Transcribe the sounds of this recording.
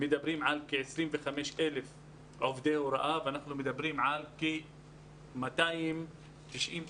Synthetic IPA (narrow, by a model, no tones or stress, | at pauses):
mɪd̪abɾiːmʕalkiʕɪsɾiːnvɪxameːʃʔelef | ʕofd̪eːwɾˤɑ̰ʔavanaxlumɪd̪abɾiːmʕalke | mat̪aːjɪm | t̪ɪʃʔiːn